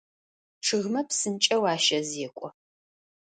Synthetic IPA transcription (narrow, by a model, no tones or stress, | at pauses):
ʈ͡ʂʰɨɣmɐpsɨnt͡ʃʼɐwaːʃɐzeːkʷʼɔ